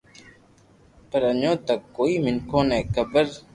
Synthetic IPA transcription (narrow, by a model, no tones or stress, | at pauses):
pəɾəɲõːt̪əkːoːiːmɪnkʰõːnɛ̃ːkəbəɾ